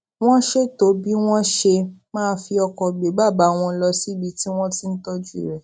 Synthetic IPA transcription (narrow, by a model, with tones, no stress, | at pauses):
w̃ɔ̃˦ʃe˦to˨˦bi˦w̃ɔ̃˦ʃe˧mãː˦˧˦fi˧ɔ˧kɔ˨ɡ͡be˨˦ba˦˨ba˨˦˨w̃ɔ̃˧˦lɔ˧si˦bi˧ti˦w̃ɔ̃˦ti˦n̩˦tɔ˦d͡ʒu˦ḭ˨ɾɛ˨